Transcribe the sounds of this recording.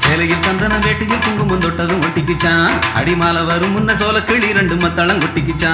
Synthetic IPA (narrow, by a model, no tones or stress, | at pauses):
seːlɐjɪlsɐnd̪ɐnɐʋeːʈːɪjɪlt̪ʊŋɡɯmɐnd̪ɔʈːɐðɯmɔʈːɪk̬ːɯt͡ʃːãːɐ̰ɽɪmaːlɐʋɐɾɯmːʊnːɐsoːlɐkːeːɭiɾɐɳɖɯmɐt̪ːɐlɐŋkɔʈːɪk̬ːɯt͡ʃːãː